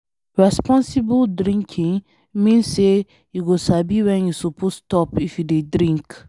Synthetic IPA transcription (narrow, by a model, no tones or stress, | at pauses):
ɹɛspɔ̃nsibəldɾĩŋkʰĩŋ | mĩnsːe | juɡosabiwɛ̃njusopʰosstɔpifjudedɾĩŋk